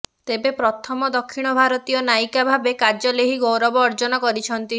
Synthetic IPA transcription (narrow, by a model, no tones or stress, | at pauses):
t̪ebepɾɔt̪ʰɔmɔd̪ɔkʰːiɽ̃ɔbʱaɾɔt̪ijɔnajkabʱabekaɾd͡ʒɔleɦiɡowɾɔbɔːɾd͡ʒɔnɔkɔɾit͡ʃʰɔnt̪i